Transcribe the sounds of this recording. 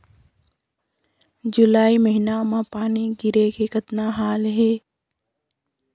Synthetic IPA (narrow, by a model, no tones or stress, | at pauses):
d͡ʒʊlaːiməɦɪnamãpaːniɡɪɾekekət̪naɦaːlɦɛː